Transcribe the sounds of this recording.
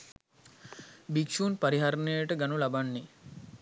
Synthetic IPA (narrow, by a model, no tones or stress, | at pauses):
bikʃuːnpaɾiɦaɾnəjəʈəɡanulabanːi